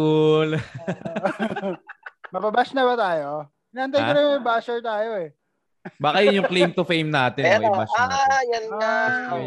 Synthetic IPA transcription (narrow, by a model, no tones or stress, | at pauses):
ul | mɐbɐbaʃnɐbɐt̪aːjo | ɪnɐʔɐnt̪aj̪ɐɾɐjmɐjbaːsɛɹt̪aːjoɛ | baːkɐjʊnjʊŋklejmt̪ʊfejmnaːt̪ɪɛɾobaaːjɐnŋa